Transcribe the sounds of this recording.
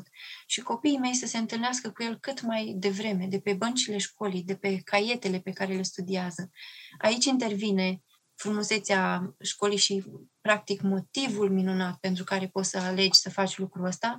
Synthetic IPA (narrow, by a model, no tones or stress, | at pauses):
t̪ʃiko̞piːme̞jsəse̞ɨnt̪ɨlneaskəkuje̞lkɨt̪majd̪e̞vɾe̞me̞d̪e̞pe̞bənt͡ʃile̞ʃko̞lijd̪e̞pe̞kʰaje̞t̪e̞le̞pe̞kaɾele̞st̪ud̪iazəa̰it͡ʃʲint̪e̞rvine̞ | fɾumuse̞t̪seaʃko̞lijʃipɾak̚t̪ikmo̞t̪ivulminunat̪̚pe̞nt̪ɾukaɾe̞po̞t̪səale̞d͡ʒʲsəfat͡ʃʲlukɾuəst̪a